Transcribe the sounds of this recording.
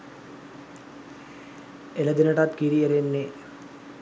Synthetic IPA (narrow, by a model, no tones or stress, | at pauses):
eləd̪enəʈat̪kiɾieɾenːe